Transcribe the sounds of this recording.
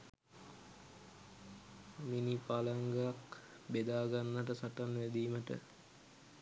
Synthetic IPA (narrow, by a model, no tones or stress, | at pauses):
minipalaŋɡəak | bed̪aːɡanːəʈəsaʈanʋæd̪iːməʈə̰